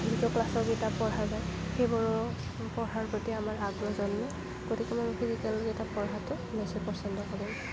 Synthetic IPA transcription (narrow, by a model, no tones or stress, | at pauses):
bidɔklasɔɡitapɔɹɦazajxejbɔɹɔ | pɔɹɦaɹpɔtiamaɹaɡɹɔzɔnːɔ | ɡ̥otikɛmɔnɔkʰizikɛloɡɛtapɔɹɦatʊ | mesɛpɔsɔndɔkabɔn